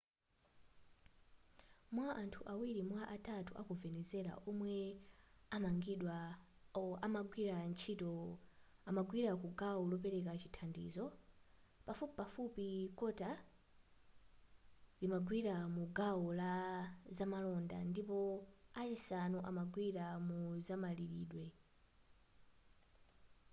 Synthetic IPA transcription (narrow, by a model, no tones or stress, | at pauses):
mwaʔantʰuʔawiɾimwaʔatʰatuʔakuvɛnɛzɛɾa̰ʔɔmwɛ | amaŋɡiɗwa | amaɡwiɾant͡ʃʰitɔ | amaɡwiɾakuɡawɔlɔp̬ɛɾɛk̬at͡ʃitʰandḭːzɔ | pafupipafupikɔta | limaɡwiɾamuɡawɔlazamalɔnda̰ndipɔat͡ʃisanuʔamaɡwiɾamuzamaliɾiːɗwɛ